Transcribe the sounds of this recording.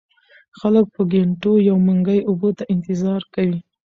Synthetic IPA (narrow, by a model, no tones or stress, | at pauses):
xalək̚pəɡeɳʈojawmaŋɡəjʊbot̪aʔɪnt̪ɪzɑɾkawi